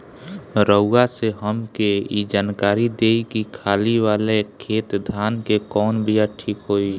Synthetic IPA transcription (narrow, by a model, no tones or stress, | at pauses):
ɾəːaseɦəmkeid͡ʒaːnkaːɾid̪eːikikʰaːliʋaːlekʰeːt̪d̪ʱaːnkekɔːnbijaʈʰiːkɦoːiː